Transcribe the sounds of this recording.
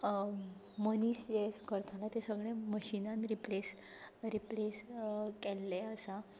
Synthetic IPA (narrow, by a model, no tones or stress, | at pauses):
məniːsd͡ʑekəɾt̪ʰãlat̪esəɡɭẽməɕinãnɾiples | ɾipleskɛlːeəsa